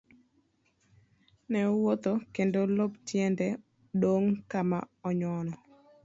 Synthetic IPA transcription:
nɛowot̪okendoloptjɛndɛ | doŋkama̰ɔɲɔnɔ

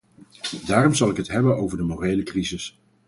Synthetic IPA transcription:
daːrɔmzɑlˠɪkɦətɦɛbənowvəɹdəmoːrejləkrizɪs

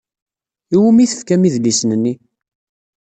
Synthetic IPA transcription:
iwumiθə̥fkæmiðlisənənːi

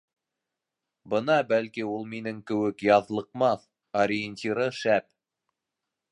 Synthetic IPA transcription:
bɤnɑbælkiulˠminɘŋkɘ̆wɘkjɑðlˠɤ̆qmɑθ | oɾʲɪenʲt̪ʲiɾɤʃæp

